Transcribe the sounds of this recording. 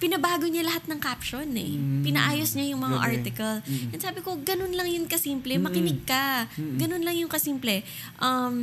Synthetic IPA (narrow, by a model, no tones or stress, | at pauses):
pɪnɐbaːɡoɲalɐhat̪̚nɐŋkaːpʃonɛ̰pɪnɐʔaːjosɲajʊŋmɐŋa̰ʔaɹt̪ɪkɐljɐnsaːbɪko̞ɡɐnonlɐŋjʊnkɐsiːmplɛmɐkɪnɪɡ̚kɐɡɐno̞nlɐŋjʊŋkɐsiːmplɛ | ʔɐm